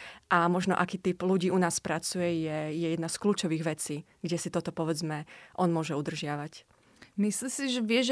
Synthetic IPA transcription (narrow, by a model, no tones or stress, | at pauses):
ʔamɔʒnɔ̰ʔakiːt̪ipluɟiːʔunaːspɾat͡sujɛjɛjɛjɛd̪naskluːt͡ʃɔʋiːɣʋɛt͡siː | ɡɟɛsit̪ɔt̪ɔpɔʋɛd͡zmɛʔɔnmʊɔʒɛud̪r̩ʒɪaʋac | mislisiʒɛʋɪɛʒɛ